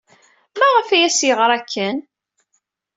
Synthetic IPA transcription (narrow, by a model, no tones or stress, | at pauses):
mæʁəfæjæsjəʁɾˤækʰːən